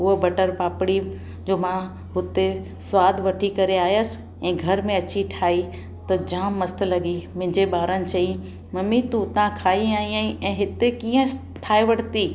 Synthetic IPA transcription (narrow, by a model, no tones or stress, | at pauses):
ʊɦbɐʈəɾpaːpɪɽi | d͡ʑoːmã | ɦʊt̪e | sʋaːd̪ʱʋɐʈʰikɐɾeaːjəs̆ | ɛ̃ːɡʱɐɾmẽɐt͡ɕiʈʰaːi | t̪ɐd͡ʑãːmːɐst̪lɐɡimɪ̃ɦɪ̃ɲd͡ʑeɓaːɾənɪ̆t͡ɕɐi | mɐmit̪ut̪ãkʰaːiaːĩaːĩɛ̃ːɦɪt̪ekĩːə̃ | tʈʰaːeʋɐʈt̪i